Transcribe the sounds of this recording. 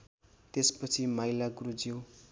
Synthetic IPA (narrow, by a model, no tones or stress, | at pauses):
t̪espʌt͡sʰimajlaɡrud͡ziw